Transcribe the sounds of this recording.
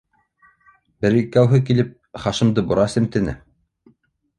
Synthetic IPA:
bɘ̆ɾikːæwɦɘkilɘp̚ | χɑʃɤ̆md̪ɤbuɾɑsɘ̆mt̪ɘ̆nɘ̰

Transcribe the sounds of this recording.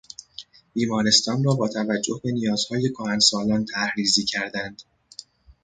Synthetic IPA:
b̥iːmɒːɾe̞st̪ɒːnrɒːbɒːt̪ʰævæd͡ʒːo̞hbe̞nijɒːz̥hɒːje̞kʰohænsɒːlɒːnt̪ʰæhɾiːziːcʰæɾd̪ænd̪̥

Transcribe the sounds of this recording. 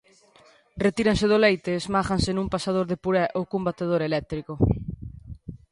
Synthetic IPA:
ret̪iɾanseðʊlejt̪esmaxansenũmpasað̞oɾðepuɾɛʔokumbat̪eð̞oɾelɛk̚t̪ɾikʊ

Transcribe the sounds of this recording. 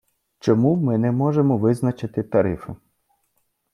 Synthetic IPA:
t͡ʃɔmumɪnɛmɔʒemɔʋɪznɐt͡ʃɪt̪ɪt̪ɐɾɪfɪ

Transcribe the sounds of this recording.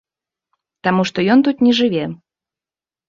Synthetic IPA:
t̪amuʂt̪ɔjɔnt̪ut̪nʲɛʐɨvʲe

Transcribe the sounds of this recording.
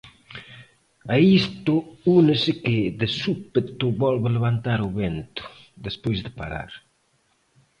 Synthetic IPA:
aist̪ʊunɪsɪkɪd̪ɪsupet̪ʊbɔlβeleβant̪aɾuβɛnt̪ʊ̥ | d̪espojzd̪ɪpaɾa̰ɾ

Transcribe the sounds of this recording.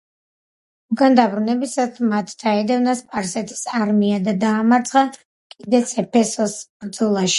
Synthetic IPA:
uɡand̪abɾunɛbisat̪ʰmat̪ʰd̪̥aɛd̪ɛvnaspʼaɾsɛt̪ʰi̥saɾmiad̪ad̪aːmaɾt̪sʰʼχa | kʼid̪ɛt̪sʰɛpʰɛsɔsbɾd̪zɔlˠaʃi̥

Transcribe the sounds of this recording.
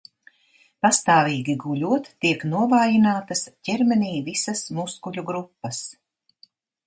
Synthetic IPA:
past̪aːvʲiːɡʲiɡulʲuɔt̪ːiɛknuɔvaːjinaːt̪asɟɛɾmɛniːvisasmuskuʎʲuɡɾupːɐs

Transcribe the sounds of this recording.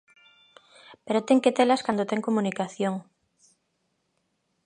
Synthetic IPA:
peɾot̪eŋket̪elaskand̪ot̪eŋkomunikaθjoŋ

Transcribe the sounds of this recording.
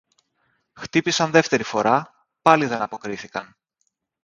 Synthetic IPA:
xt̪ipisɐnðe̞ft̪e̞ɾifo̞ɾʔɐ | pɐliðe̞nɐpo̞kɾiθikɐn

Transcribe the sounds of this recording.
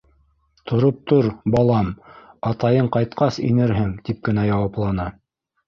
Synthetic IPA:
t̪ʰŏɾop̚t̪oɾbɑlˠɑmɑt̪ɑjɤɴqɑjt̪̚qɑsḭnɘɾɦɘŋt̪ip̚kɘ̆næjɑwɑplˠɑnɑ

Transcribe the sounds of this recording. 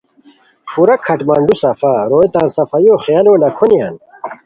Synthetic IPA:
pʰuɾɐkʰɐʈmɐɳɖusɐfaɾoːjt̪aːnsɐfɐjoːχealoːnɐkʰonija̰ːn

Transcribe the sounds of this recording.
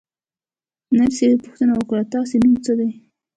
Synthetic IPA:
naɾsed̪pʊxt̪ənawəkɽat̪ɑsenumt͡səd̪aj

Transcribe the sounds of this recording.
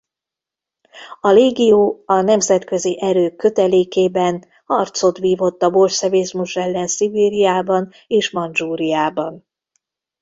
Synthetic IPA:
ɒleːɡijoːɒnɛmzɛt̪kø̞ziʔɛɾøːkːø̞t̪ɛleːkeːbɛn | hɒrt̪so̞t̪ʋiːvo̞t̪ːɒbo̞lt͡ʃsɛveːzmuʃɛlːɛnsibiːɾijaːbɒn | eːʃmɒnd͡ʒuːɾijaːbɒn

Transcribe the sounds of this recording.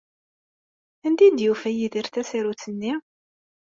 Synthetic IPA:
ænd̪id̪jufæjiðiɾθæsiɾut͡sːənːi

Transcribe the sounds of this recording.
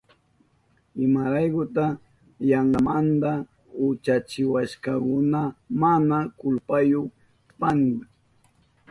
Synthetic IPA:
ɪmaɾajkʊt̪a | jaɴɢamand̪a | ʊt͡ʃat͡ʃɪwaʃkɑkʊnamanakʊlpajok | panda

